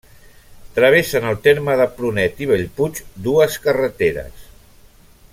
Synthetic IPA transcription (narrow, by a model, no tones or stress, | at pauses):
t̪ɾəβ̞esənəlˠt̪eɾməðəpɾunɛt̪iβəʎput͡ʃd̪uəskərət̪eɾə̰s